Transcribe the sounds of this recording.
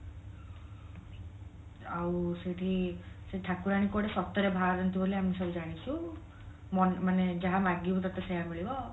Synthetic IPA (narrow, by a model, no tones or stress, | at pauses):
awseʈʰi | seʈʰakuɾaɽ̃ikɔɽesɔt̪ːɔɾebʱaɾɔnt̪ibʱoliamisɔbd͡ʒaɽ̃it͡ʃʰu | mɔnmaned͡ʒaɦamaɡibut̪at̪esejamiɭibɔ